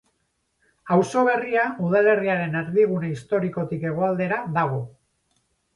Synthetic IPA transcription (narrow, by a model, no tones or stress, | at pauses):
awso̞β̞e̞riauðale̞riaɾe̞neɾðiβunaist̪o̞ɾiko̞t̪ike̞ɣ̞o̞ald̪e̞ɾaðaɣ̞o̞